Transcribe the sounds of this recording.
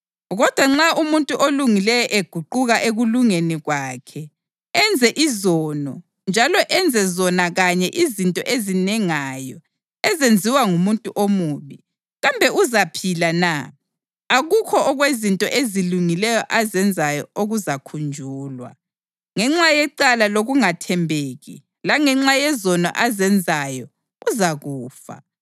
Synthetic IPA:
ɣɔd̥ʱwaŋ͡ǁaumuntʼuʔoluŋilɛjɔʔeɡ̥ʱuǃuɣaʔeɣuluŋeniɣwaːkʰɛ | ɛnd͡zʱɛʔizɔːnɔ | nd͡ʒʱalɔʔɛnd͡zʱɛzɔnaɣaɲɛʔizintʼɔ̰ʔezinɛŋajɔ | ɛzend͡zʱiwaŋumuntʼuʔomuːβi | ɣambʱɛuzapʰilana | aɣukʰɔɔɣwezintʼɔʔeziluŋilɛjɔʔazɛnd͡zʱajɔ̰oɣuzakʰund͡ʒʱuːlwa̰ | ŋɛŋ͡ǁajɛǃalaloɣuŋatʰɛmbʱeɣḭ | laŋɛŋ͡ǁajɛzɔnɔ̰ʔazɛnd͡zʱajɔ | uzaɣuːfa̰

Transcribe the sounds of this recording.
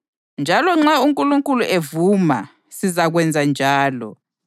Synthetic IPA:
nd͡ʒʱalɔŋ͡ǁauŋkʼuluŋkʼuluʔevuma̰ | sizaɣwɛnd͡zʱand͡ʒʱaːlɔ̰

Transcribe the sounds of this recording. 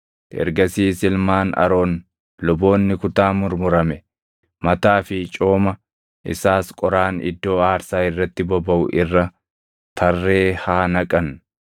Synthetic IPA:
ʔɛ̰ɾɡɐsiːsɪlmaːnɐ̰ɾo̞ːn | lɔbo̞ːnːɪkʊt̪aːmʊɾmʊɾɐmɛ | mɐt̪aːfɪt͡ʃʼo̞ːmɐ | ʔɪ̰saːskʼɔɾaːnɪ̰d̪ːo̞ːaːɾsaːɪrːɐt̪ːɪbɔbɐʔʊʔɪrːɐ | t̪ʰɐrːe̞ːhaːnɐkʼɐn

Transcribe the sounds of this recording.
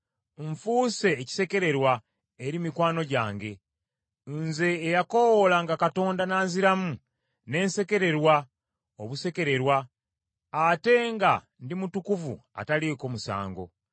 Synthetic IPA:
ɱfuːse̞ːci̥se̞ke̞ɾe̞ɾwa | eɾimikwaːno̞ɟaːŋɡe̞ | nze̞ːjako̞wolaŋɡakato̞ːndanaːnziɾamu | ne̞ːnse̞ke̞ɾe̞ɾwa | oβuse̞ke̞ɾe̞ɾwaː | te̞ŋɡa | ndimutukuvṵa̰taleko̞ːmusa̰ːŋɡo̰

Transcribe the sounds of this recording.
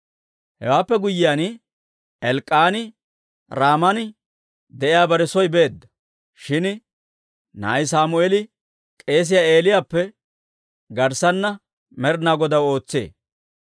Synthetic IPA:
hɛ̰waːpːɛɡʊjːɪjaːn | ɛlkʼːaːnɪ | ɾaːmɐnɪ | d̪ɛʔɪjaːbɐɾɛsɔjbe̞ːd̪ːɐ̥ | ʃɪn | na̰ːjsaːmʊeːlɪ | kʼe̞ːs̬ɪjaːe̞ːlɪjaːpːɛ | ɡɐɾsɐnːɐ | mɛɾnaːɡɔd̪ɐwo̞ːt͡sːḛː

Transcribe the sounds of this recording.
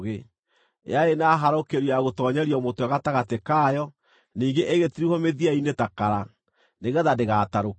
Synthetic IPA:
ɣe | ḛaenaɦaɾokeɾiaɣotɔːɲɛɾiɔmotoaɣataɣatekajɔ | niːŋɡeʔeɣetiɾihɔmeðiainetakaɾa | neɣɛðadeɣaːtaɾo

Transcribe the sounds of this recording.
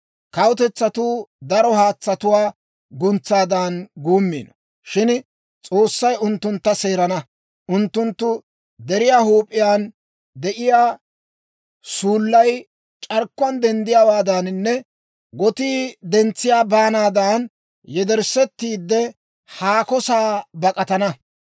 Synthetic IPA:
kɐwt̪ɛt͡sːɐt̪uːd̪ɐɾɔhaːt͡sːɐt̪ʊwaː | ɡʊnt͡sːaːd̪aːnɡuːmːḭːnɔ | ʃɪn | t͡sʼo̞ːsːɐjʊnt̪ːʊnt̪ːɐse̞ːɾɐnɐ | ʔʊnt̪ːʊnt̪ːʊ | d̪ɛɾɪjaːhuːpʼːɪjaːn | d̪ɛʔɪjaː | suːlːɐj | t͡ʃʼɐɾkːʊɐnd̪ɛnd̪ɪjaːwaːd̪annːɛ | ɡɔt̪iːd̪ɛnt͡sːɪjaːbaːnaːd̪aːn | jɛd̪ɛɾsːɛt̪ːiːd̪ːɛ | haːkɔsaːbɐkʼɐt̪ɐnɐ

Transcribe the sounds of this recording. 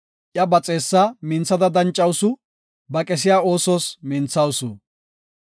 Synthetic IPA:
ʔjɐbɐt͡sʼe̞ːsːamɪnt͡sːɐd̪ɐd̪ɐnt͡ʃʼːɐwsʊ | bɐkʼɛs̬ɪjaːo̞ːsoːsmɪnt͡sːɐwsʊ̰

